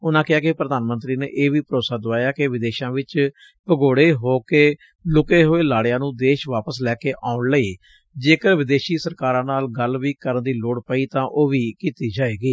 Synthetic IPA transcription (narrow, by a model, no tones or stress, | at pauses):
ʊnãːkɪɦaːkɪpɾəd̪aːnmənt̪ɾiːnḛːʔeːʋiːpəɾoːsaːd̪ʊʋaːjaːkɪʋɪd̪eːʃãːʋɪt͡ʃ | pəɡoːɽeːɦoːkeː | lʊkeːɦoːeːlaːɽɪjãːnũːd̪eːʃʋaːpəslɛːkeːʔaːʊɳləiː | d͡ʒeːkəɾʋɪd̪eːʃiːsəɾkaːɾãːnaːlɡəlʋiːkəɾənd̪iːloːɽpəiːt̪ãːʔoːʋiːkiːt̪iːd͡ʒaːeːɡiː